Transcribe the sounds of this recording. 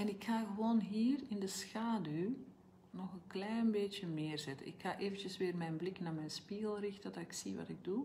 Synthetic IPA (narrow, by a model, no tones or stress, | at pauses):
ɛnɪkxaɣəʋoːnɦiːrɪndəsxaːdy | nɔxənklɛjnbeːtjəmɪːrzɛtə̰ʔɪ̰kxaːʔeːvəntjəsʋɪːrmɛnblɪknaːmɛjnspiɣəlˠrɪxtədaɪksiʋɑ̰tɪɡ̚du